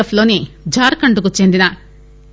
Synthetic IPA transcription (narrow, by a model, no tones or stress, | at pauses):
ɐfloːneː | d͡ʒaːɾkɐɳɖukut͡ʃːend̪inɐ